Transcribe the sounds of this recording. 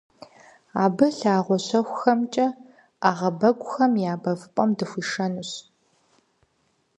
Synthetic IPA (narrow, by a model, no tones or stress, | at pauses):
aːbɨɬaːʁʷɔɕɐxʷʊxɐmt͡ʃʼɐ | aːʁɐbɐɡʷʼʊxɐmjaːbɐvɨpʼɐmdɨxʷiːʂɐnuɕ